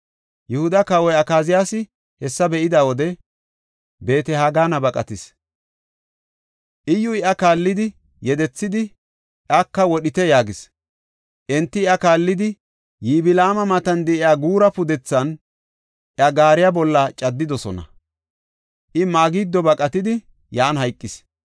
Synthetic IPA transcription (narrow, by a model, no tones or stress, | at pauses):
jɛhʊd̪ɐkɐwɔjɐkaːzɪjaːsɪ | hɛsːɐbɛʔɪd̪awɔd̪ɛ | be̞ːt̪ɛhaɡaːnɐbɐkʼɐt̪ɪs | ʔɪjːʊɪʔɐkaːlːɪd̪ɪ | jɛd̪ɛt͡sːɪd̪ɪ | akːɐwɔɗɪt̪ɛjaːɡɪs | ʔɛnt̪ːɪɪɐkaːlːɪd̪ɪ | jiːbɪlaːmɐmɐt̪ɐnd̪ɛʔɪjaːɡuːɾɐpʊd̪ɛt͡sːɐn | ʔɪɐɡaːɾɪjabɔlːɐt͡ʃʼɐd̪ːɪd̪ɔsɔ̰nɐ̰ | ʔɪmaːɡiːd̪ːɔbɐkʼɐt̪ɪd̪ɪ | jaːnhɐjkʼːɪs